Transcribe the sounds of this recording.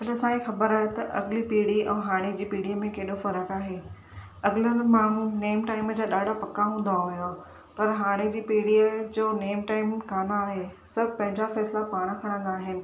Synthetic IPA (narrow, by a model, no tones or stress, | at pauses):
ɐnɐsãixɐbəɾaːɦet̪ɐʔɐɡɪlipiːɽiɛ̃ːɦaːɽ̃ed͡ʑiːpiːɽijəmẽkeːɗofɐɾəkaːɦe | ɐɡɪlənmaːmũneːmʈaːɪmd͡ʑaːɗaːɖʱapɐkaɦũːn̆d̪aɦujo | pɐɾɦaːɽ̃ed͡ʑiːpiːɽiəd͡ʑoːneːmʈaːɪmkaːmaːɦesɐbʱɪpɐ̃ɦɪ̃ɲd͡ʑafɛːslapaːɽ̃kʰɐɽ̃ə̃nd̪aːɦɪnɪ̆